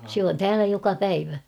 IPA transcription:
sĕ on tæːlæ jokɑ pæiʋæ

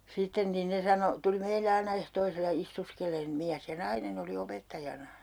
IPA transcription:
sitːen nin ne sɑno tuli meile ɑinɑ ehtoiselːɑ istuskelˑeːn miæs jɑ nɑinen oli opetːɑjɑnɑ

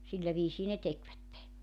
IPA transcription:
silːæ ʋiːsiː ne tekʋætːe

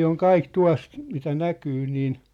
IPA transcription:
oŋ kɑik tuɑ̝s mitæ nækyː niːn

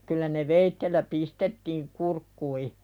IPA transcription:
kylːæ ne ʋeitːelːæ pistetːiːŋ kurkːui

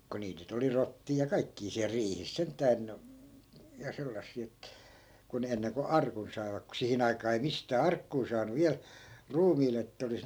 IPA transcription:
ko niːt nyt oli rotːiː jɑ kɑikːiː siæl riːhis sentˑæːn jɑ selːɑsːiː et ku ne enːeŋko ɑrkun sɑi̯ʋɑk ku sihin ɑikɑː ei mistæː ɑrkːuː sɑːnu ʋiæl ruːmiːle etːæ̆ olis

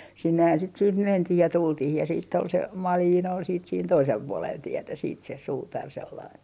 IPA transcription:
sinːehæn siːt siːh mentih jɑ tultih jɑ siːtː ol se mɑliːn ol siːt siːn toisel puolel tietæ siːt se suːtɑr selːɑin

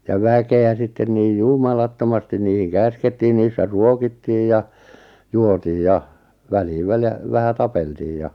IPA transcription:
jɑ ʋækeæ sitːen niːj jumɑlɑtːomɑstin niːhiŋ kæsketːiː niːsːæ ruokitːiːj jɑ juotiːj jɑ ʋæliːʋ ʋælj̆æ̆ ʋæhæ tɑpeltiːj jɑ

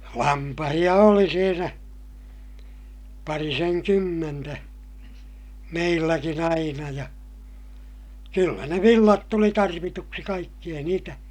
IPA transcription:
lɑmpɑhij̆ɑ oli siːnæ pɑriseŋkymːentæ meilːækin ɑinɑ jɑ kylːæ ne ʋilːɑt tuli tɑrʋituksi kɑikːi ei niːtæ

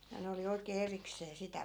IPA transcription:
jɑ ne oli oikeː erikseː sitæ

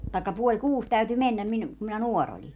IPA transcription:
tɑikːɑ puolʲ kuːs tæyty menːæm minŭ kum minæ nuor olʲi

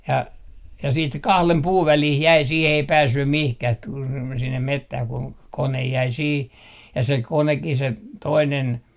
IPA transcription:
jɑ jɑ siːt kɑhlem puːʋ ʋælih jæi sih ei pæːsːym mihkæh t tul sinːem metːæh kuŋ konej jæi siːh jɑ se konekːi se toinen

